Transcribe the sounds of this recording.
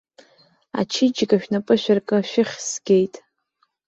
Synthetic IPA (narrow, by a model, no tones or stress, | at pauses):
a̰t͡ʃʰɪd͡ʒɡaʃᶣnapʼɨʃʷᶣarkʼɨʃᶣɪχʲsɡʲe̞jtʼ